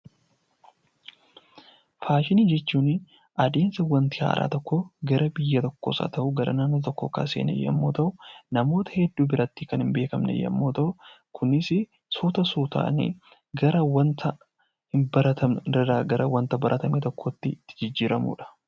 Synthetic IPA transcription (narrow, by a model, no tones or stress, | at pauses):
faːʃɪniːd͡ʒɛt͡ʃːuːn | ɐd̪eːnsɐwɐnt̪ɪha̰ːɾʔa̰ːt̪ɔkːoɡɐɾɐbɪjːɐt̪ɔkːoːsa̰ːt̪ɐʔuɡɐɾɐ̰naːnːoːt̪ɔkːoːka̰ːseːnɛ̰jːɐ̰mːoːt̪ɐʔʊnɐmo̞ːt̪ɐ̥hɛd̪ːuːbɪɾɐt̪ːikɐnhɪmbe̞ːkɐmnɛ̰jːɐ̰mːoːt̪ɐʔʊ | kʰʊnɪsɪ | sut̪ɐsuːt̪a̰ːnḭ | ɡɐɾɐwɐnt̪ʰɐ | hɪmbɐɾɐt̪ɐmnɾɐdaːɡɐɾʔɐwɐnt̪ɐbɐɾʔɐt̪ɐmeːt̪ɔkʰːoːt̪ːɪt̪ːɪ̥d͡ʒɪd͡ʒːiːɾɐmṵːᶑɐ̥